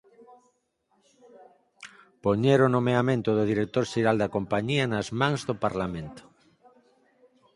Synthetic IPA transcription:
poɲeɾonomeamẽnt̪ʊðʊðiɾek̚t̪oɾʃeɾald̪ɐkompaɲianɐzmãŋzðopaɾlamẽnt̪o̥

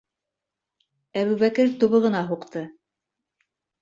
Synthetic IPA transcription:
æβʉβækɘɾt̪ŏβɤ̆ʁɤ̆nɑɦuqt̪ɤ

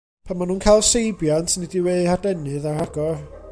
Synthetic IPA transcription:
pʰanmanuːnkʰajlˠsejbjantʰnɛdiweðhadɛnɨðaraɡɔr

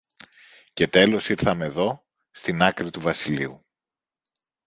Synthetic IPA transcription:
ce̞t̪e̞lo̞siɾθɐmeðo̞ | st̪inɐkɾit̪uvɐsiliu

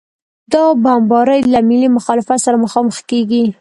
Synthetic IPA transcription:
d̪ɑbambɑɾəjlamɪlimʊxɑlɪfat̪saɾaməxɑməxkeɡi

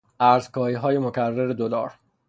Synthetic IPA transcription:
ʔæɾzkʰɒːɾiːɦɒːje̞mocʰærːeɾed̪olɒ̰ːɾ

